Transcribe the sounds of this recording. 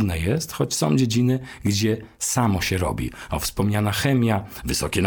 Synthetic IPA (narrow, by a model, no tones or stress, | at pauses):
nɛjɛst̪xɔt͡ɕsɔ̰̃w̃d͡ʑed͡ʑinɘɡd͡ʑɛ | samɔɕɛɾɔ̰bʲḭɔ̰fspɔmɲanaxɛmʲjavɘsɔkʲɛn